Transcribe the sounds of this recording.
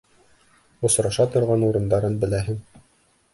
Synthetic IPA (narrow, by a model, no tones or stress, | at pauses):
ŏsɾɑʃɑt̪ŏɾʁɑnuɾɤ̆nd̪ɑɾɤnbɘ̆læɦɘŋ